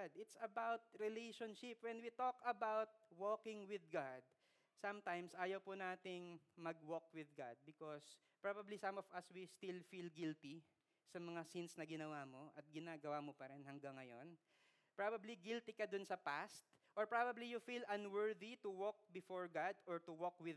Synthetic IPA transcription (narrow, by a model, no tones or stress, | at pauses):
d̪ɪt̪sɐbawt̪̚ɹɪlejʃɔnʃɪpwɛnwit̪okɐbawt̪̚woːkɪ̃ŋwɪðɡad̪̚ | sɐmt̪ãjmsʔaːjɐwpʊnaːt̪ɪŋmɐɡwok̚wɪðɡa̰d̪̚bɪkos | pɹabɐblisɐ̃mɔvɐswist̪ilfilɡɪlt̪i | sɐmɐŋasinsnɐɡɪnɐwamo̞ʔɐt̪̚ɡɪnaːɡɐwamopɐɾɛnhɐŋɡaŋːɐjo̰n | pɹabɐbliɡilt̪ikɐd̪ʊnsɐpast̪̚ | ʔɔɹpɹabɐblijʊfilʔɐ̃nwɛɹðit̪ʊwok̚bɪfoɹɡad̪ɔɹt̪ʊwokwɪð